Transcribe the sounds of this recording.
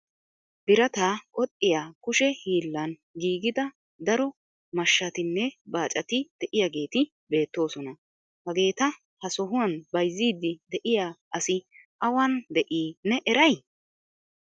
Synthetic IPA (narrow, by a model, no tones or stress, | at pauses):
b̥ɪɾɐt̪aːkʼɔt̪ʼːɪjaːkʊʃɛhiːlːɐnɡiːɡɪd̪ɐ | d̪ɐɾɔ | mɐʃːɐt̪ɪnːɛbaːt͡ʃʼɐt̪ɪd̪̥ɛʔɪjaɡe̞ːt̪ɪ | be̞ːt̪ːo̞ːsɔnɐ | hɐɡe̞ːt̪ɐ | hɐsɔɦʊwɐnbɐjzːiːd̪ːɪd̪ɛʔɪjaːʔɐsɪʔɐwɐnd̪ɛʔiːnɛʔɛɾɐj